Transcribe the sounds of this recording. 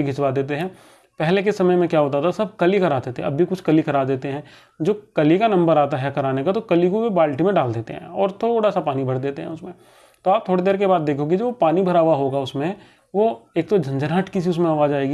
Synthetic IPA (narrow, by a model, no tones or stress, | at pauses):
iɡʱɪt͡ʃʋad̪eːt̪̬eɦɛ̃ː | pɛɦlek̬esɐməjmẽkjaːɦoːt̪at̪ʰasɐb̚kɐlikɐɾaːd̪eːt̪ẽɐ̰bʱːikʊt͡ʃʰkɐlikɐɾaːd̪eːt̪eɦɛ̃ː | d͡ʒoːkɐlikanɐ̃mbəɾaːt̪aɦɛkɐɾaːnekat̪okɐlikobibaːlʈimẽɖaːld̪eːt̪ḛɦɛ̰̃ɔːɾt̪ʰoːɽasapaːnibʱɐɾd̪eːt̪eɦɛ̰̃ʊsmẽ | t̪oaːp̚t̪ʰoːɽed̪eːɾkebaːd̪ːeːkʰoːɡid͡ʒoːpaːnibʱɐɾaːʋaɦoːɡaʊsmẽ | ʋoeːk̚t̪od͡ʒʱɐ̃nd͡ʒəɾɦaʈkis̬iʊs̬mẽaːʋaːd͡ʒaːeːɡi